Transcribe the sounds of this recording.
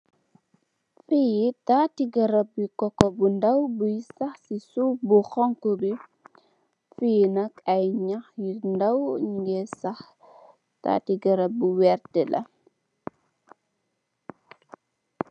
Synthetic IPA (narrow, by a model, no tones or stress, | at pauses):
fijitatiɡɐɾɐb̚ːikɔkːɔbundɐwbujsɐxsisubuxɔŋkɔbi | fijnɐkɐjɲɐxjindɐwɲŋɡɛsɐx | ta̰ːtiɡɐɾɐbuwɛɾtɛlʔɐ̰